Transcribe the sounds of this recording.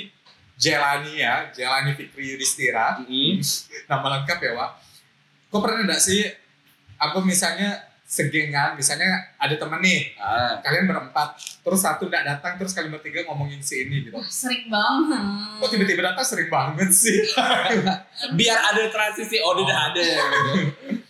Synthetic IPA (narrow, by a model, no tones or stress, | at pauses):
d͡ʒelanijad͡ʒelanifikɾidist̪iɾa | namaləŋkapjawa | kopərnaandaʔsɪh | apamisalɲa | səɡɛŋanmisalɲaadat̪əmənːɪhkalianbəɾəmpat̪̚ːəɾʊsːat̪undaʔdat̪aŋt̪əɾʊskalimbərt̪iɡaŋomɔŋɪnsiːniɡit̪usəɾɪŋba | kɔʔt̪ibat̪ibadapasəɾɪŋbaŋət̪̚sɪh | biaradat̪ɾasɪsɪhodidaɦadaɡit̪u